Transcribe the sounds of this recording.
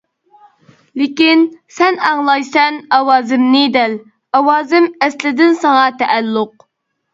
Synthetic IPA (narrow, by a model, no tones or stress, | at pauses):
lɪkʲinsɛnɑŋlˠɑjsɛnɑwɑːzɪmnɨd̪ɛl | ɑwɑːzɪmɛslɪd̪ɪnsɑŋɑt̪ʰɛʔælːʊq̚